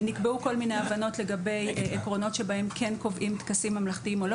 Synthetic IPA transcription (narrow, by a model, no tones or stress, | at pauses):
nikbeuko̞lmine̞javano̞tle̞ɡabe̞jekʁo̞no̞tʃe̞bae̞mkʰe̞nko̞vʔimt̪kasimːamlaχtiimo̞lo